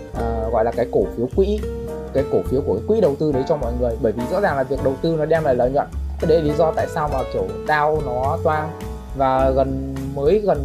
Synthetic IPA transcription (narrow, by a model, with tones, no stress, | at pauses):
ʔəː˨˩ɣɔ̰˧˨jlaː˨˩kaː˨˦jko˧˩fi˨˦əwkwḭ˧˥kaː˨˦jko˧˩fi˨˦wku˧˩əkaː˨˦kwḭ˧˥ɗə˨˩wt̪ɨ˧ɗə˨˦jt͡ɕɔ˧wmɔ̰˧˨jŋɨ˨˩əjɓəː˧˩jvi˨˩zɔ̰˧˥zaː˨˩ŋlaː˨˩vi˨˩ək̚ɗə˨˩wt̪ɨ˧nɔ˨˦ɗɛ˧mlaː˨˩lə̰ː˨˩ɲwə̰˧˨n˦˥ɗe˨˧˦li˨˦zɔ˧t̪a̰ː˧˨jsaː˧wmaː˨˩ko˧˩ɗ̪aː˧wnɔ˨˦t̪waː˧n | vaː˨˩ɣə˨˩nməː˨˦jɣə˨˩n